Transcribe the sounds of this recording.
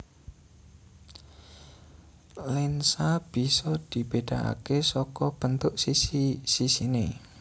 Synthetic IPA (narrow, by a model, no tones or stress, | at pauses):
lɪnsab̥isɔd̪̥ib̥ed̪̥aʔa̰kesɔkɔb̥ənt̪ʊʔsisisisine